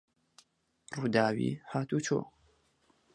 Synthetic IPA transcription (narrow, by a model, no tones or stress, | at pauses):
rudaːɥḭːħaːtʰut͡ʃʰo̰